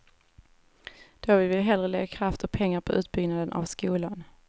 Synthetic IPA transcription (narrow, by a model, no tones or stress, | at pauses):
d̪̥ɔvɪvɪlːɦɛlɾəlɛɡakʰɾaft̪ʰɔk̚pʰɛŋːaɾpʰɔʔʉ̟ːt̪̚bʏɡnad̪ənʔa̰vskuːlan